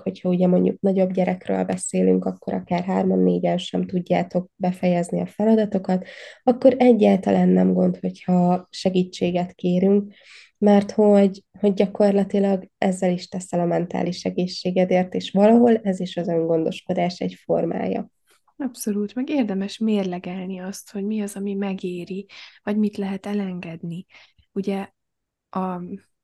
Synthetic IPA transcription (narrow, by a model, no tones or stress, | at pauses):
ho̞chɒuɟɛmo̞ɲɟṵk̚nɒɟo̞bɟɛɾɛkrø̰ːlbɛseːly̰ŋkɒkːo̞ɾʔɒ̰kaːrɦaːrmɒnːeːɟɛnʃɛmt̪uɟːa̰ːt̪o̞k̚bɛfɛjɛzniɒfɛlɒd̪ɒt̪o̞kɒt̪ɒkːo̞ɾɛɟːaːlt̪ɒlaːnːɛmɡo̞nt̪ho̞chɒʃɛɡiːt͡ʃːeːɡɛt̪keːɾyŋk̚ | mɛrt̪ho̞ɟho̞ɟːɒko̞rlɒt̪ilɒɡɛzːɛliʃt̪ɛsɛlɒmɛnt̪a̰ːliʃɛɡeːʃːeːɡɛd̪eːrt̪eːʃʋɒlɒɦo̞lɛziʃɒzøŋɡo̞nd̪o̞̰ʃko̞d̪aːʃɛcfo̞̰rma̰ːjɒ̰ | ɒpso̞luːt̪mɛɡeːrd̪ɛmɛʃmeːrlɛɡɛlniɒst̪ho̞ɟmiɒzɒmimɛɡeːɾivɒɟmit̪lɛɦɛt̪ɛlɛŋɡɛd̪ni | uɟɛ | ɒ